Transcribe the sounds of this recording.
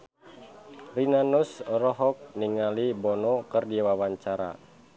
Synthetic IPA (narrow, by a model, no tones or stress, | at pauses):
rinanusrɔɦɔk̚niŋalibɔnɔkərdiawawaɲt͡ʃaɾa̰